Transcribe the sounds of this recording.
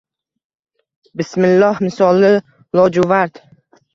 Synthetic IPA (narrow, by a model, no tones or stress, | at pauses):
bɪsmɪlːɒhmɪsɒlɪ | lˠɒd͡ʒʊvaɾd̪